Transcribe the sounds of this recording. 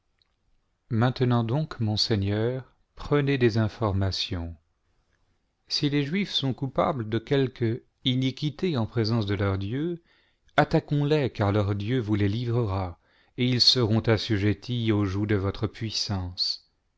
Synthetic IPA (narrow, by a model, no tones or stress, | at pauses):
mɛ̃t̪nɑ̃d̪ɔ̃kmɔ̃sɛɲœːʁ | pχəned̪ezɛ̃fɔʁmasjɔ̃ | sileʒɥifsɔ̃kupa̰bləd̪əkʲɛlk | inikʲit̪eɑ̃pχezɑ̃sd̪əlœʁd̪jø | at̪akɔ̃lɛkaʁlœʁd̪jøvulelivʁəʁa | eilsəʁɔ̃t̪asyʒet̪ʰioʒud̪əvɔt̪χəpɥisɑ̃s